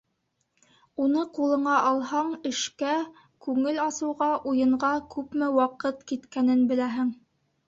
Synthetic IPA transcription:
unɤqulˠɤ̆ɴɑʔɑlˠɦɑɴɘ̆ʃkæ | kʉŋɘlɑsɤ̆wʁɑʔujɤ̆ɴʁɑkʉpmɘwɑqɤt̪kit̪kænɘnbɘ̆læɦɘŋ

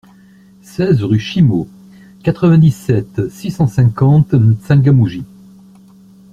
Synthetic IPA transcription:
sɛzʁyʃimo | kat̪χəvɛ̃d̪isɛt̪sisɑ̃sɛ̃kɑ̃t̪sɛ̃ɡamuʒi

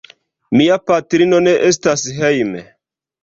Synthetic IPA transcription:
miapatɾino̞ne̞ʔes̬tasɦejmḛ

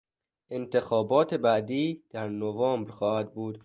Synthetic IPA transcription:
ʔent̪ʰexɒːbɒːt̪ʰe̞bæʔd̪iːd̪̥æɾnovɑːmbɾxɒːhæd̪̚buːd̪

